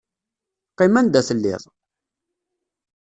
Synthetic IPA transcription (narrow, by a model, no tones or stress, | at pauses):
qːimænd̪æθəlːɪ̰ðˤ